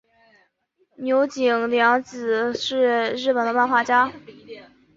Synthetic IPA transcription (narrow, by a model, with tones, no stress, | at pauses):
njo˧˥ʊt͡ɕi˨˩ŋljɑ˧˥ŋt͡s̩˨˩ʂɻ̩˥˧ɻ̩˥˩pə˨˩nd̪ə˦pa˥˧nxwa˥˩t͡ɕja˥